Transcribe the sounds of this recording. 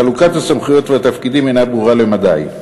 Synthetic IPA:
alukat̪hasamχujo̞t̪veat̪afkid̪imenabʁuʁalemad̪aj

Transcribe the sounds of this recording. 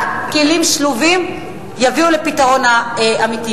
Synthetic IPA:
kilimʃluvim | javiulepitaʁo̞naʔamiti

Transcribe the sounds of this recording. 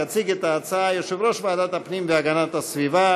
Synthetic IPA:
at͡siɡɛt̪aːt͡saajoʃɛvɾoʃvaad̪at̪apnimveaɡanat̪asviva

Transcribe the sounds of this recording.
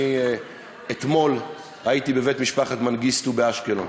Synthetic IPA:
i | et̪mo̞l | ait̪ibeve̞t̪miʃpaχat̪manɡistubeaʃkelon

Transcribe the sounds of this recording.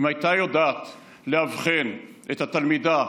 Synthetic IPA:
imhajt̪ajod̪at̪ | lehavχenʔet̪at̪almid̪a

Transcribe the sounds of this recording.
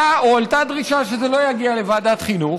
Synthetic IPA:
aoaltad̪ʁiʃaʃe̞zelo̞jaɡiale̞vaːdat̪χinu

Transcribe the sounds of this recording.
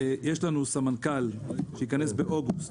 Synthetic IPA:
jeʃlanusamankalʃejikanesbeʔo̞ɡust

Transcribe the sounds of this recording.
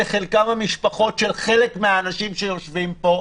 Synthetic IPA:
eχelkamamiʃpaχo̞tʃe̞lχe̞lekmeaːnaʃimʃejo̞ʃvimpo̞

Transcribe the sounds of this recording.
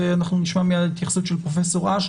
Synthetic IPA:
eanaχnuniʃmamijadait̪jaχsutʃelpʁofeso̞ʁaʃ

